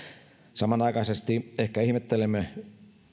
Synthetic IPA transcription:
sɑmɑnɑˑikɑisest̪iehkæihmet̪ːelemːe

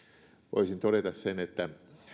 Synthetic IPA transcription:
ʋo̰isint̪oɾet̪ɑssenet̪ːæ

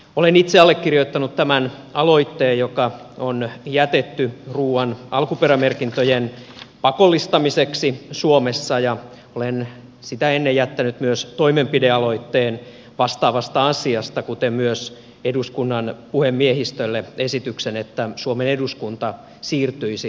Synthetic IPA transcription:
olenit̪seɑlːekkːirjoit̪ːɑnut̪t̪æmæn | ɑlo̞it̪ːeːjokɑonjæt̪et̪ːyruːɑnɑlkuperæmerkint̪øjenpɑkolːist̪ɑmiseksisuomesːɑjɑ | olen | sit̪æenːejæt̪ːænyt̪myøst̪oimempideɑloit̪ːeːn | ʋɑst̪ɑːʋɑst̪ɑɑsiɑst̪ɑkut̪emmyøs | eduskunːɑnpuhemmiehist̪ølːeesit̪yksenet̪ːæsuomeneduskunt̪ɑ | siːrt̪yisi

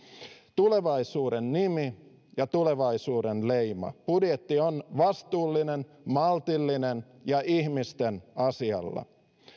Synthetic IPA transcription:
t̪ule̞ʋɑisuːɾenːimi | jɑt̪ule̞ʋɑisuːdenlejmɑ̰pudjet̪ːionʋɑst̪uːlːinen | mɑlt̪ilːinen | jɑʔihmist̪enɑsiɑ̰lːɑ̰

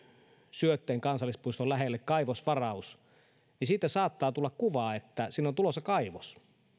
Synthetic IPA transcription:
syøt̪ːeːŋkɑnsɑlːˑispuist̪olæɦelːekkɑiʋosʋɑrɑus | nisiːt̪ːˑæsɑːt̪ːɑːt̪ulːɑkkuʋɑːet̪ːæsiːnːont̪ulosɑkɑiʋos

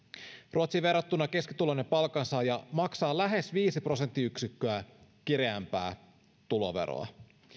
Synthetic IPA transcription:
rʔuot̪siʋe̞rːɑt̪ːunːɑke̞skit̪ulonːepɑlkɑnsɑjɑmɑksɑːlæɦesʋiːsipro̞se̞nt̪ːiyksykːøækiɾeæmpæ̰ː | t̪ulo̞̰ʋḛɾo̰ɑ̰

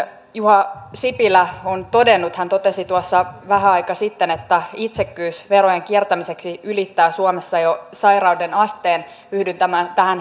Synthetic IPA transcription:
juhɑsipilæont̪o̞denːut̪hænt̪o̞t̪esit̪uɑsːɑʋæɦæɑjkɑsit̪ːenet̪ːæit̪sekːyːsʋeɾojeŋkiɛrt̪æmise̞ksiylit̪ːæːsuomesːɑjosɑjrɑudenɑst̪eːn | hyhdynt̪æmænt̪æhæn

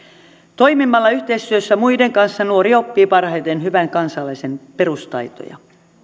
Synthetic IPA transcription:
t̪o̞jmimːɑlːɑyht̪e̞ist̪yøsːæmuide̞ŋkɑnsːɑnuo̞ɾiopːiːpɑrhɑjt̪enhyʋæŋkɑnsɑlːˑɑisenpeɾust̪ɑ̰jt̪o̰jɑ̰

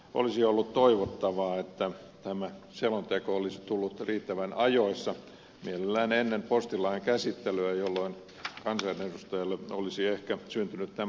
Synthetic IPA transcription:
ʔo̰lisiolːut̪t̪oiʋot̪ːɑʋɑːet̪ːæ | t̪æmæselont̪ekoolisit̪ulːut̪riːt̪ːæʋænɑjoisːɑ | mielelːæːnenːempost̪ilɑiŋkæsit̪ːeløæjolːoin | kɑnsɑinedust̪ɑjɑlːeolisiehkæsynt̪ynyt̪tæ

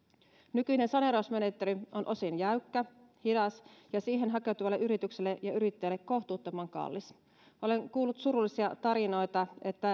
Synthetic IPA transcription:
nykyine̞nsɑne̞ɾosme̞ne̞t̪ːeɾiʔo̞nʔo̞sinjæykːæ | hidɑsjɑsiːɦe̞nɦɑke̞wt̪uʋɑlːeʔyɾit̪ykselːejɑyɾit̪ːeːlːekːo̞ht̪uːt̪ːomɑŋkɑ̰lːis | ʔo̞le̞ŋkuːlːut̪suɾulːˑisiɑt̪ɑɾino̞jt̪ɑe̞t̪ːæ

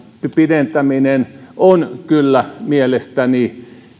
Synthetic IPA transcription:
piɾent̪æminenonkylːæmielest̪æni

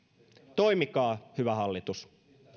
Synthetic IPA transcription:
t̪o̞imikɑːhyʋæhɑlːit̪us

